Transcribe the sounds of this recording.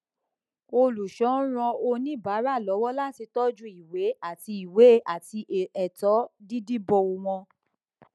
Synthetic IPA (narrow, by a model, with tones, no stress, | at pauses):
o˧lu˨ʃɔ̃˨˦ɾ̃ɔ̃˧o˧nĩ˦ba˨˦ɾa˦˨lɔ˨˦wɔ˦la˦˨ti˧tɔ˦d͡ʒũ˦i˨we˨˦a˦˨ti˧i˨we˨˦˨ʔa˨ti˧˨ɛ˨tɔ˨˦di˦di˦bɔ˧o˧wɔ̃˧